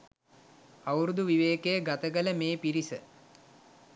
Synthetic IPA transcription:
awɾud̪uʋiʋeːkejəɡat̪əɡələmeːpiɾisə

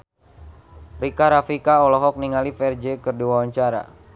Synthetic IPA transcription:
rikaɾafikaɔlɔɦɔk̚niŋalifɛrd͡ʒekɨrduawaɲt͡ʃaɾa̰

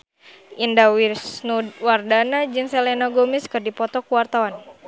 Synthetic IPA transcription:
indawirsnudwardanad͡ʒɨnsɛlɛnaɡomiskɨrdipɔt̪ɔkuwart̪awan

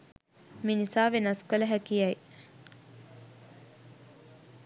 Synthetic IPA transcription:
minisaːʋenɐskolɐɦækiɐi

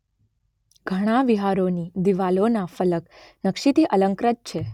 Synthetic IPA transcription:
ɡ̥ʱəɽ̃aʋiɦaɾonid̪iʋalonafələknəkʃit̪iʔələŋkɾət̪̚t͡ʃʰe

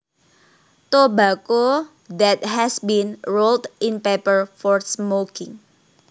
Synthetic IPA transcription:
t̪obako | dɛt̪̚hɛsbĩnɹoltɪ̃npepəɹfɔɹsmokɪ̃ŋ

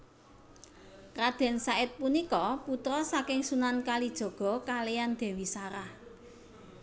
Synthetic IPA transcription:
rad̪̥ɛ̤nsaɪt̪̚punikɔput̪ɾɔsakɪŋsunankalid̥ʒ̥ɔ̤ɡ̥ɔ̤kalejand̪̥ɛ̤wisaɾah

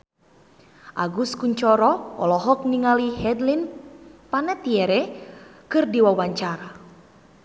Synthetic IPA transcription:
ʔa̰ɡuskuɲt͡ʃɔɾɔɔ̰lɔɦɔk̚niŋaliɦɛdlinpanɛt̪iɛɾɛkɨrdiwawaɲt͡ʃaɾa

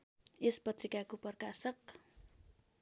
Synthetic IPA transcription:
espʌt̪rikakupʌrkasʌk̚

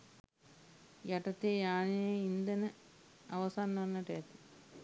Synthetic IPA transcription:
jɐʈɐt̪ːejaːnijeind̪ɐnɨ | ɐʋɐsaːnːɐnːɐʈeːt̪ːi̥

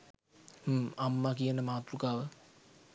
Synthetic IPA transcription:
hamːakijənəmaːt̪rukaːʋə

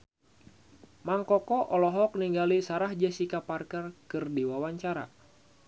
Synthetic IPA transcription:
maŋkɔkɔʔɔlɔɦɔk̚niŋɡalisaɾahd͡ʒasikaparkərkɨrdiwawaɲt͡ʃaɾa̰

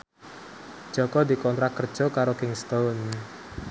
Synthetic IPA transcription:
d̥ʒ̥ɔ̤kɔd̪i̤kɔnt̪ɾak̚kər̥ʒ̥ɔ̤kaɾokɪŋst̪on

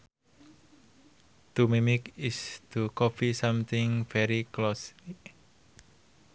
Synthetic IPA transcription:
t̪umimikɪst̪ukɔfisamt̪ʰɪŋfɛɾiklosi

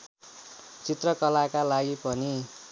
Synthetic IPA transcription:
t͡sit̪rʌkʌlakalaɡipʌni

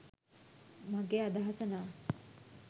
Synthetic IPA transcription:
maɡeːad̪aɦasɐnaː

